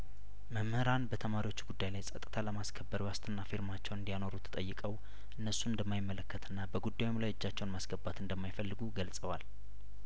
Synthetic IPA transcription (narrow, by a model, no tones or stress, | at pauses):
məmhəɾanbət̪ʰəmaɾiwo̞t͡ʃːɡud̪ːajlajsʼət̪ʼɨt̪ʰaləmaskʰəbːəɾwast̪ʰɨnːafiɾmat͡ʃːɛwnɨnd̪ijano̞ɾut̪ʰə̥t̪ʼəjːɨkʼəw | ʔɨnːəsuɨnd̪əmːajɪmːələkːət̪ɨnːabəɡud̪ːawɪmlajɨd͡ʒːat͡ʃːɛwnmasɡ̥əbːat̪ɨnd̪əmːajfəlːɨɡuɡəlsʼəwal